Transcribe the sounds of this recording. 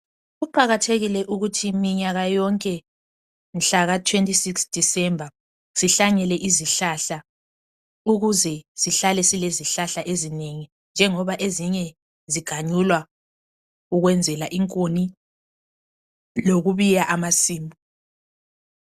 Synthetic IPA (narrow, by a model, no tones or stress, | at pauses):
ɣupʰaɣatʰeɣilɛʔuɣutʰimiɲaɣajɔŋkʼɛ | nɬaɣatʰwentʼisiksd̥ʱisɛmbʱa | siɬaɲɛlɛʔiziɬaɬa | uɣuzɛsiɬalɛsileziɬaɬaʔezineŋi | nd͡ʒʱɛŋɔβaʔeziɲɛ | ziɡ̥ʱaɲulwa | uɣwɛnd͡zʱɛlaʔiŋkʼoni | loɣuβijaʔamasiːmbʱu